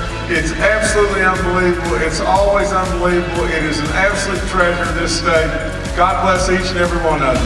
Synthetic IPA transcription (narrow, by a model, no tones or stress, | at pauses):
ɪtsæb̥səllutˡliʌ̃nbəlivəbl̩ˠɪtsɔlˠwizʌ̃nbəlivəbl̩ˠɪɾɨzɨ̃n̩æb̥səlʉtʰɹ̥ɛʒə˞ðɪsd̥eɪ | ɡ̥ɑd̚blɛsit͡ʃɨ̃nɛvɹiwʌ̃nɛ